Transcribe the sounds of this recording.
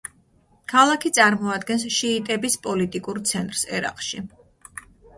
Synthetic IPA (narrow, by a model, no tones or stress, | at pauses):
kʰalˠakʰit̪sʼaɾmɔad̪ɡɛnsʃiːt̪ʼɛbispʼɔlit̪ʼikʼuɾt̪sʰɛnt̪ʼɾsɛ̰ɾa̰qʼʃi